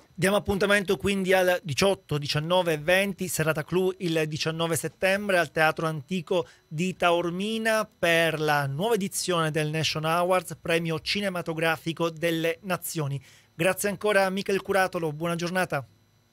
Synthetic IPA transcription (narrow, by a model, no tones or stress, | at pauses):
d̪jaːmoapːunt̪ament̪okwind̪iald̪it͡ʃɔt̪ːod̪it͡ʃanːɔːvevɛnt̪iseraːt̪akluild̪it͡ʃanːɔːveset̪ːɛmbɾealt̪eaːt̪ɾoant̪iːko | d̪it̪aormiːnaperlanwɔːvaed̪it̪sːjoːned̪elnɛʃonaward̪pɾɛːmjot͡ʃinemat̪oɡɾaːfikod̪elːenat̪sːjoːni | ɡɾat̪sːjeaŋkoːɾamikɛlkuɾaːt̪olobwɔːnad͡ʒornaːt̪a